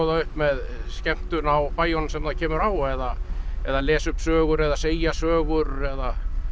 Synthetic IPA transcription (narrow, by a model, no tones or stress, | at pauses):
ɔðaʏhpmɛðscɛm̥t̪ʏnawpaːjɔnsɛmθacʰɛːmʏɾaːwɛðaɛðalɛːsʏhpsœːɣʏɾɛðaseːjasœːɣʏɾɛða